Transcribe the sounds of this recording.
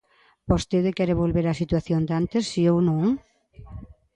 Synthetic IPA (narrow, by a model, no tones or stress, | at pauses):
bost̪eðɪkɛɾeβolβeɾasit̪waθjond̪ant̪ɪsːiewnõŋ